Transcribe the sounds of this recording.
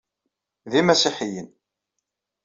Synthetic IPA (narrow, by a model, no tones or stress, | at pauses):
ðimæsiħijən